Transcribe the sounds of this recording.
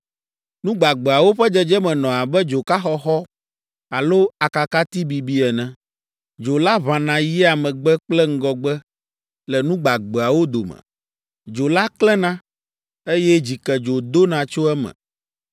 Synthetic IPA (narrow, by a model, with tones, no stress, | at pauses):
nũ˦ɡ͡ba˨ɡ͡bɛ˨a˨wo˦ɸɛ˦d͡ʒɛ˦d͡ʒɛ˦mɛ̃˨nɔ̃˨a˨bɛ˦d͡ʒo˨ka˦xɔ˦xɔ˦ | a˨lo˦a˨ka˨ka˦t̪i˦bi˨bi˦ɛ˨nɛ̃˦ | d͡ʒo˨la˦βã˨nã˨jɛ˦a˨mɛ̃˨ɡ͡bɛ˦k͡plɛ˦ŋ̩˦ɡɔ˨ɡ͡bɛ˦ | lɛ˨nũ˦ɡ͡ba˨ɡ͡bɛ˨a˨wo˦d̪o˨mɛ̰̃˨ | d͡ʒo˨la˦klɛ˦nã˦ | e˦jɛ˦d͡ʑi˨kɛ˨d͡ʒo˨d̪o˦nã˨t͡ʃo˦ɛ˦mɛ̰̃˨